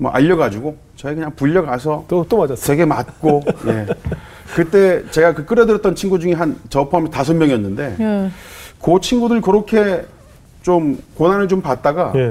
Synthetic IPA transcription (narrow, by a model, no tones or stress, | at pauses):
mwʌ̰ʔa̰ʎːʌɡad͡ʑuɡo | t͡ɕʌikɯɲaŋpuʎːʌɡasʰʌt͈omaawe̞ɡe̞mat̚k͈oje̞ | kɯt͈e̞t͡ɕe̞ɡakɯk͈ɯɾʌdɯɾjʌt͈ʌnt͡ɕʰinɡud͡ʑuŋiɦant͡ɕʌpʰoamʌtasʰʌmjʌŋiʌnːɯnde̞ | kot͡ɕʰinɡudɯɭkɯɾʌkʰe̞ | t͡ɕomkonɦanɯɭt͡ɕompat̚t͈aɡa